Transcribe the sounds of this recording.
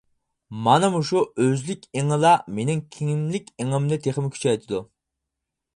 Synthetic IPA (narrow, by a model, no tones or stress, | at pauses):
mɑnɨmuʃuøzlɪkʲeŋəlˠɑmenɪŋkʲʰiŋɪmlɪkʲeŋɪmnɪt̪ʰeχɪmkʲʰy̥t͡ʃʰɛjt̪ʰɪd̪u